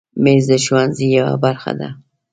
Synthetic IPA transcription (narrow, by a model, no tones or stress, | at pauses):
mezd̪əʃwanzijawa̰baɾxa̰d̪a̰